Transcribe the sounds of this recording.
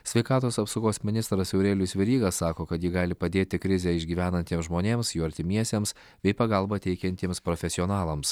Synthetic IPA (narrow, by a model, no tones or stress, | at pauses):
sʲʋʲɛɪkɑːt̪oːsɐpsoʊɡoːsmʲɪnʲɪst̪ɾɐsjɛʊɾʲeːlʲʊsʲʋʲɛɾʲiːɡɐsːɑːkoːkɐt̪jiːɡɑːlʲɪpɐd̪ʲeːt̪ʲɪkɾʲɪzʲɛɪʒʲɡʲiːʋʲæːnɐnʲt̪ʲiɛmszʒmoːnʲeːmsjuːɐɾʲt̪ʲɪmʲiɛsʲeːms | bʲɛɪpɐɡɐlˠbɐt̪ʲɛɪkʲɛnʲt̪ʲiɛmspɾoːfʲɛsʲɪɔːnɑːlˠɐms